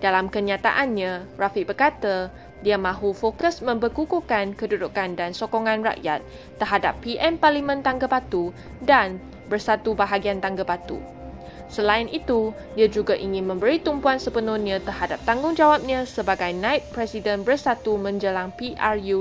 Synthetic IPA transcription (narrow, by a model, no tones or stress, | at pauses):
d̥alamkəɲãt̪a̰ʔanɲãrafibərkat̪ə | diamãɦufokəsmə̃mbərkukukankədudukandansokoŋãnra̰ʔjat̪̚ː | ərɦada̰pːiʔɛnparlimə̃nt̪aŋɡabat̪u | dan | bərsat̪ubaɦaɡiant̪aŋɡabat̪ṵ | səlaɪnit̪u | diad͡ʒuɡaʔiŋɪ̃nmə̃mbəɾit̪umpuansəpənuniãt̪ərhadap̚t̪aŋɡʊŋd͡ʒawap̚ɲãsəbaɡajnãɪt̪̚pɾɛsidənbərsat̪umə̃ɲd͡ʒəlaŋpiʔarju